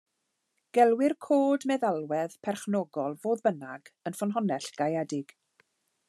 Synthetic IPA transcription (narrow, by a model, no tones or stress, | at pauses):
ɡ̥ɛlˠwɪrkʰoːdmɛðalˠwɛð̥pʰɛrχnɔɡɔlˠvoːðbənaɡ̥ənfɔnɦɔnɛɬɡ̥ajɛdɪɡ̥